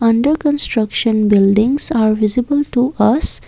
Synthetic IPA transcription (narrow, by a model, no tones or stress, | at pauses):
ʌ̃ɳɖəɾkə̃nsʈɾʌkʃə̃nbɪlɖɪ̃ŋsaːɾʋɪzɪbəlʈuʔʌs